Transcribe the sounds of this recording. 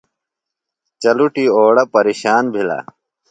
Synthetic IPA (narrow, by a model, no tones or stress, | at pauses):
t͡ɕɐluʈioːɽɐpɐɾiːɕaːnbʱila̰